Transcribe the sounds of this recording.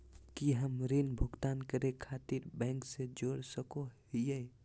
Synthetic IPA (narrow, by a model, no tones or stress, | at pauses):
kiɦəmɾinbʱʊɡt̪ankəɾekʰat̪iɾbɛ̃ŋksed͡ʒoɽsəkoɦije